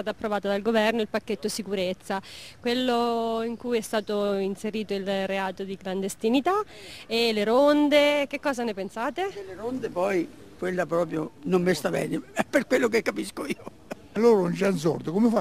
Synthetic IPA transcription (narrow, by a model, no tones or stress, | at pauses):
aːt̪aːpːɾovaːt̪ad̪alɡovɛrnoilpakːet̪ːosikuɾet̪sːakwelːoiŋkujɛst̪aːt̪oinseɾiːt̪oilreaːt̪od̪ikland̪est̪init̪a | eleɾond̪ek̟ekːɔːzanepensaːt̪eleɾond̪epɔj | kwelːapɾɔːpɾjonomːest̪abɛ̰ːneɛpːerkwelːok̬ekːapiskoiːo | alːoːɾaunt͡ʃans̬ɔ̰rt̪okomefa